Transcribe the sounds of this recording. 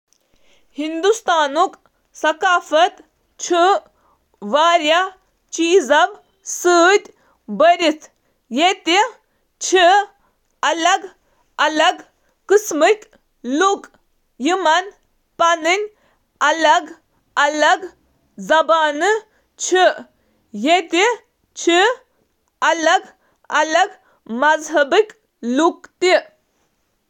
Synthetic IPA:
hind̪ust̪aːnuk | sɐkaːfɐt̪ | t͡ʃʰɨ | ʋaːɾja | t͡ʃiːzɐʋ | sɨt̪ʲ | bəɾʲit̪ʰ | jet̪i | t͡ʃʰɨ | ɐlɐɡ | ɐlɐɡ | kɨsmɨt̪ | lukʼ | jiman | panɨnʲ | alaɡ | alaɡ | zɐbaːnɨ | t͡ʃʰi | jet̪i | t͡ʃʰi | alaɡ | alaɡ | mazɦɐbɨk | lukt̪i

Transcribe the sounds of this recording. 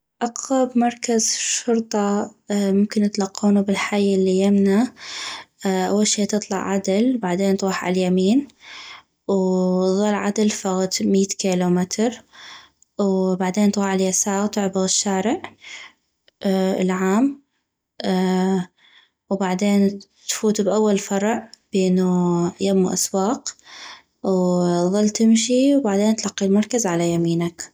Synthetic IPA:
ʔɑqːɑbmɑɾˤkazʃʊɾt̪ˤɑmʊmkɪnɪt̪lɑqːuːnubɪlħajɪlːijɪmna | ʔa̰wːalʃiːt̪ɨt̪ˤlɑ̰ʕʕad̪ɪlbaʕd̪eːnt̪ˤuːħʕa̰ljamiːn | wðˤɑlːʕad̪ɪlfaɣt̪miːt̪kiːlumɪt̪ɾ | wbaʕd̪eːnt̪ɣɑʕɪljasaːɣt̪ʊʕbɑɣɪʃːaːɾɪʕ | lʕaːm | wbaʕd̪eːnt̪fuːt̪bʔawːalfɑɾˤʕb̥eːnujamwʔa̰swɑːq | wðˤɑlːt̪ɪmʃiwbaʕd̪eːnt̪lɑqːilmɑɾˤkazʕalajamiːnak

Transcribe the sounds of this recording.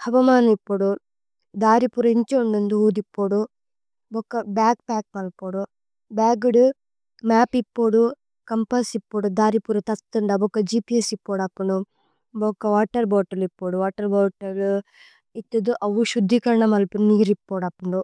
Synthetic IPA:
hɐʋɐmaːnɐmipːoːɽu | d̪aːɾipuɾɐiɲt͡ʃeuɳɖund̪uuːd̪ipːoːɽu | bɔkːɐbaːk̚paːk̚mɐlpoːɽu | baːɡuɽu | maːpipːoːɽu | kɐmpɐsipːoːɽud̪aːɾipuɾɐt̪ɐt̪ːɐɳɖɐbokːɐd͡ʒiːpiesipːoːɽɐpːuɳɖu | bokːɐʋaːʈːɐɾboːʈɐlipːoːɽuʋaːʈːɐɾboːʈɐlu | it̪ːɐd̪uʔɐʋuʃud̪ʱːikɐɾɐɳɐmɐlpunniːɾipːoːɽɐpːuɳɖu

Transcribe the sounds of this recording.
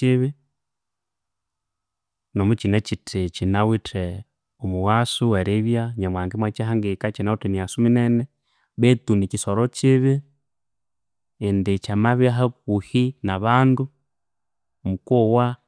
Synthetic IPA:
iβɪ | nɔmut͡ʃinɛt͡ʃitʰit͡ʃinawitʰɛ | ɔmuwasuwɛɾiβjaɲamwaŋɡimwat͡ʃaɦaŋɡikat͡ʃinawitɛniasuminɛnɛ | βɛtunikisɔɾɔt͡ʃɪβɪ | ndet͡ʃamaβiaɦakuhinaβandu | mukɔwa

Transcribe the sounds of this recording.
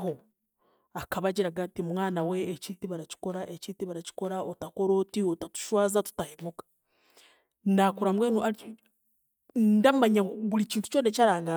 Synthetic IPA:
ɦo | akaβaɟiɾaɡatimmwaːnawe̞ːciːtiβaɾaci̥ko̞ɾaʔeciːtiβaɾaci̥ko̞ɾaotako̞ɾoːtiotatu̥ʃwaːzatu̥tahemukḁ | ndakuɾamweːnoa | ndamaɲaβuliciːntu̥t͡ʃo̞ːnecaɾaːŋɡa

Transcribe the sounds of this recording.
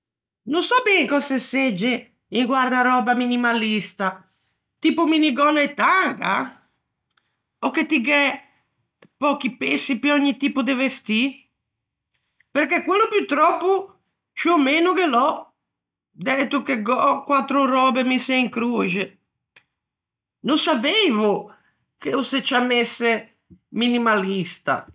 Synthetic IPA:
nunsapiɛŋkɔsɛsːed͡ʒːe | iŋɡwaɾd̪aɾɔːbaminimalist̪a | t̪iːpuminiɡɔnaɛt̪ːaŋɡa̰ | ɔkːet̪ːiɡɛ | pɔkipesːipiɔɲːit̪iːpud̪evest̪i | peɾkekwelːupjut̪ɾɔpːu | t͡ʃiɔmeːnukelɔ | d̪ɛːt̪ukeɡɔkwat̪ːɾuɾɔːbɛmisɛiŋkɾud͡ʒe | nunsapevu | keusɛt͡ʃːamːesːɛ | minimalist̪a̰

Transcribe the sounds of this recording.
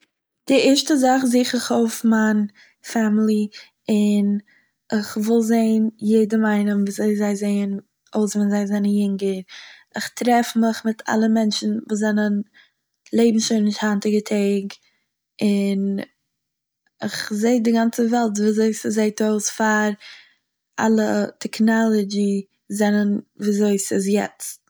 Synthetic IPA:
d̥ɪɪɾʃtəzaχzɪːχɪχoʊfman | famlˠi | ɪn | ɪχvɪlˠzeɪnjeɪdəmaɪnəmviːzeɪzaɪzeɪən | oʊsvɛnzaɪzɛnənjɪŋɡəɾ | ɪχtɾɛfmɪχmɪtʰa̰lˠəmɛnt͡ʃn̩vuːzɛnən | lˠeɪbm̩ʃoɪnɪʃthantɪɡətʰeɪɡ | ɪn | ɪ̰χzeɪdɪɡant͡səvɛlˠt̬viːzoɪsɪzeɪtoʊsfaɾ | ʔa̰lˠətʰɛknɔlˠɔd͡ʒi | zɛnənviːzoɪsɪs̬jɛ̰t͡st

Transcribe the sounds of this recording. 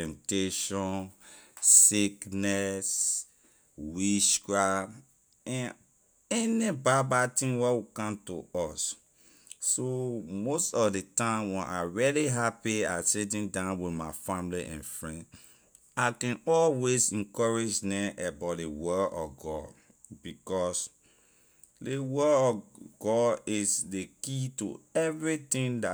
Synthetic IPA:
ɛ̃mteʃɔ̃nː | iknɛs | wiʃɡɹap | ɛ̃n | ɛnibabatĩŋwɛwikãmto̰ɔsː | omostɔvdetãmwɛ̃nʔaɹɛliɦapia̰sit̬ĩndãʊ̃nwidmaɪfamliʔɛ̰̃nfɹɛ̃nd | akɛ̃nɔlwesɛ̃nkɔɹed͡ʒnɛ̃ʔɛbat̚dewɛɔ̰fɡɔd | bikɔs | dewɛdɔɡɔdisdekitṵɛvɹitĩnda

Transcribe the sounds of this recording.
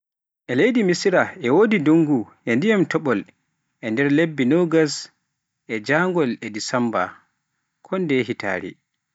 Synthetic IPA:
ʔɛlejdimisiɾaɛwodiduŋɡu | ɛndijamtɔɓɔl | ʔɛndɛɾlebːinɔɡas | ʔɛd͡ʒaŋɡɔlɛdisamba̰ | kʰɔndɛɦita̰ːɾḭ

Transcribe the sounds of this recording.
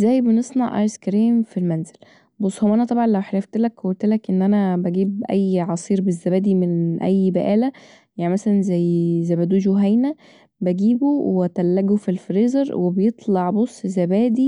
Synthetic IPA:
ʔzːæjbenesˤnɑʕʔɑ̰ɾskɾiːmfilmænzel | bosˤːhomʔænæt̪ˤɑbʕɑnlæwħeɾæft̪elækhwolt̪elækʔenːʔænæbæɡiːbʔæjːʕɑsˤiːɾbezːæbæːd̪imenʔæjːbæʔæːlæ | jaʕnimæsælænzæjːzæjbæd̪uːʒoɦæjnæ | bæɡiːbowæt̪ælːæɡofilfɾeːzeɾwebejet̪ˤlɑʕbosˤːzæbæːd̪i

